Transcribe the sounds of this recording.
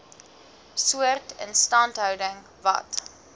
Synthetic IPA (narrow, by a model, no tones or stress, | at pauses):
suərtə̰nstɐntɦœwdəŋ | vɐ̰t